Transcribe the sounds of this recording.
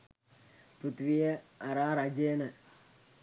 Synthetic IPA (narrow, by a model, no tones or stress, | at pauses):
put̪ʋijɐɐɾaːɾɐd͡ʒeːnɐ